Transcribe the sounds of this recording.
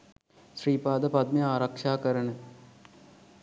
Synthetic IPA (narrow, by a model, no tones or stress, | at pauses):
ʃriːpaːd̪ɐpɐd̪̚miaːɾɐkʂaːkɐɾɐɳɨ